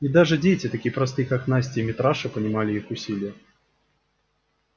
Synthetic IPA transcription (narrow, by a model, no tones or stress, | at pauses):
id̪aʐɨd͡zʲet͡sʲit̪akʲijpɾɐst̪ɨjkaknasʲtʲɪmʲɪt̪ɾaʂɨpɐnʲɪmalʲɪixʊsʲilʲɪjɛ